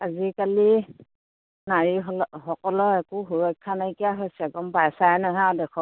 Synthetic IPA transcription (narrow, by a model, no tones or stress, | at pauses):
azikali | naɹiɦɔhɔkɔlɔɛkuɦuɹɔjkʰːanaikijaɦojsɛɛɡ̚ɔmpajsajɛnaɦadɛkʰɔ